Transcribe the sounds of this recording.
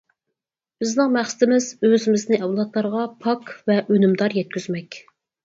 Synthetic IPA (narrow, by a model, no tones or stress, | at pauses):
b̥ɪznɪŋmæχsɪ̥t̪ɪmɪz̥øzɪmɪznɪʔɛwlˠɑt̪lˠɑɾʁɑpʰɑkvɛʔønymd̪ɑɾjɛt̪̚kʲʰyzmɛkʲ